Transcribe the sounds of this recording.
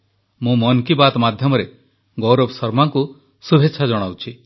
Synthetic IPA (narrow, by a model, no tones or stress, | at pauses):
mũmɔnkibat̪ɔmad̪ʱjɔmɔɾe | ɡowɾobsɔɾmaŋku | subʱeːʃʰad͡ʒɔɽ̃awt͡ʃʰi